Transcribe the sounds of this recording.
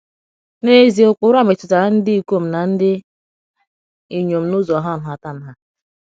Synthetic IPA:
ne˦zi˨ʊ˦˨k͡pʊ˨˦ɾa˦me˨tʊ˨ta˨ɾa˦n̩˦dɪ˦i˨ko˦m̩˨na˨n̩˦dɪ˦ | i˨ɲo˨m̩˨˦nʊ˦zɔ˨ɦa˦˨n̩˨ɦa˨ta˦˨n̩˦ɦa˦

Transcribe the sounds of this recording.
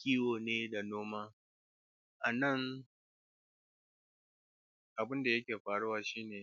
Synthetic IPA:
kʲiː˦woː˨neː˦da˨noː˦maː˦ | ʔa˨nɐ˦˨ŋ | ʔa˨bɪ˦nda˨jɐ˦kʲeː˨ɸaː˨ɽu˦waː˦ʃiː˦neː˨

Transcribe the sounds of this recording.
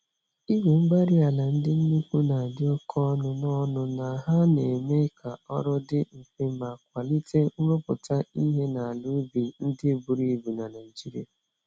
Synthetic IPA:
i˦we˨ŋ͡m̩˦ɡ͡ba˦ɾi˦a˨la˨n̩˦dɪ˦n̩˦nu˦ku˦na˨a˨dɪ˦ɔ˦kʰɔ˦nʊ˦nɔ˦nʊ˦na˨ɦa˦ne˨me˦kʰa˨ɔ˦ɾɔ˦dɪ˦m̩˨fe˦ma˨k̚ʷa˨li˦te˦ŋ̩˦ŋʷʊ˦pʊ˨ta˦i˦ɦe˦na˨a˨lu˦bi˨n̩˦dɪ˦˨bu˨ɾi˦˨bu˨na˨na˨ɪ˨d͡ʒi˦ɾḭ˦a˨

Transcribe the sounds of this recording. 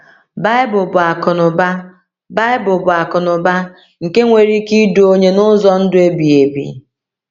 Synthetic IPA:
ba˦ɪ˦bʊ˨bʊ˨a˨kʊ˨nʊ˨ba˦ | ba˦ɪ˦bʊ˨bʊ˨a˨kʊ˨nʊ˨ba˦ | ŋ̩˨ke˦ŋʷe˨ɾi˦ki˦du˨o˦ɲe˦nʊ˦zɔ˦n̩˦dʊ˦e˦bi˨e˨bḭ˨

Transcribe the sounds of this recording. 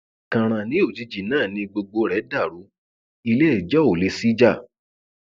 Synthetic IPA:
kã˨ɾ̃ã˧˨nĩ˨˦o˦˨d͡ʒi˨˧d͡ʒi˨nã˦˨nĩ˨˧ɡ͡bo˧ɡ͡bo˧ɾɛ˨˦da˦˨ɾu˨˦ | i˧le˦ɛ˦˨d͡ʒɔ˦o˨le˧˦si˦d͡ʒa˦˨

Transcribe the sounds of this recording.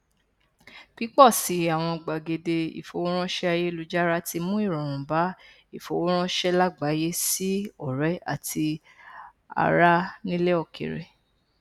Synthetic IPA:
pi˦k͡pɔ˦˨si˨˦a˨w̃ɔ̃˧ɡ͡ba˨ɡe˨de˧ḭ˨fo˨wo˦ɾ̃ã˦ʃɛ˦a˧je˦lu˨˦d͡ʒa˦ɾa˦ti˧mũ˦i˦˨ɾɔ̃˨ɾ̃ũ˨ba˨˦ | i˦˨fo˨wo˦ɾ̃ã˦ʃɛ˦la˦ɡ͡ba˨˦je˦si˦ɔ˨ɾɛ˨˦a̰˦˨tʰi˧ | a̰˧ɾa˦nĩ˦le˦ɔ˧˨kḛ˨ɾḛ˨

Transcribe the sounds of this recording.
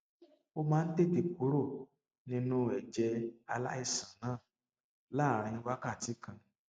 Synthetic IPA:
o˧mãː˦n̩˦te˦˨te˧ku˨˦ɾo˦˨ | nĩ˧nũ˧˦ɛ˨d͡ʒɛ˧a˧la̰˦i˦˨sã˨nãː˦˨ | la˦˨ɾ̃ĩ˧˦wa˦ka˦˨ti˨˦kã˧

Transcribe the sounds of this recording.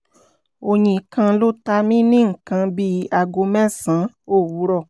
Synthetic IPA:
o˧ɲĩ˧˨kã˧lo˦ta˧mĩ˦nĩ˦ŋ̩˨kã˧bi˦˧a˧˨ɡo˧˦mɛ̃˦sã˨˦ | o˦˨wu˨˦ɾɔ˦˨

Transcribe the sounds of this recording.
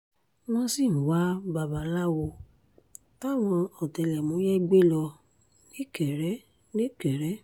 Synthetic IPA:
mɔ̃˧si˦˨n̩˨wa˨˦ba˨ba˨˦la˦wo˧ | ta˦˨w̃ɔ̃˧ɔ˨te˧˨lɛ˨mũ˨˦jɛ˦ɡ͡be˦lɔ˧ | nĩ˦kɛ˨ɾɛ˨˦ | nĩ˦kɛ˨ɾɛ˨˦

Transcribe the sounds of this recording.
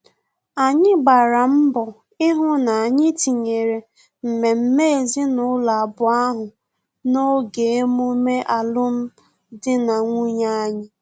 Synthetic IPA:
a˨ɲɪ˦ɡ͡ba˨ɾa˨m̩˦bɔ˨ | ɪ˦ɦʊ˦na˨a˨ɲɪ˦ti˨ɲe˨ɾe˨ | m̩˨me˨m̩˦me˦e˨zi˦nʊ˨˦la˨bʊ˨a˦ɦʊ˨ | no˦ɡe˨e˦mu˦me˦ʔa˨lʊ˦m̩˦ | dɪ˦na˨ŋʷu˦ɲa˦ɲɪ˦

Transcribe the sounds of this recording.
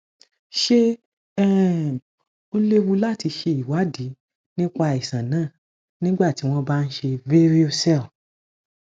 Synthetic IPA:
ʃe˦ | ɛ˦˨ | o˧le˦wu˧la˦˨ti˧ʃe˧i˨wa˨˦di˨˦ | nĩ˦k͡pa˧i˨sã˨nãː˨˦˨ | nĩ˦ɡ͡ba˦˨ti˨˦w̃ɔ̃˦ba˦˧n̩˦ʃe˧ve˦ɾi˦o˧sɛ˦˨l

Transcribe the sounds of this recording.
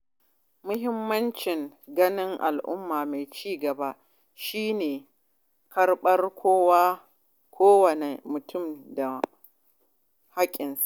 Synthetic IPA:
mʊ˦ɦɪ˦mːɐ˦nt͡ʃɪ˨ŋɡɐ˦nɪ˦ŋʔa̰˨lʔʊ̰˦mːaː˨me˨jt͡ʃiː˦ɡɐ˨ba˦ | ʃiː˦neː˨ | kɐ˦rɓɐ˦rkʷʰoː˦waː˦ | kʷʰoː˦wɐ˨ne˨mʊ˨tʰʊ˦˨mda˨ | ha˦kʲʼɪ˨nsa˨ʔ

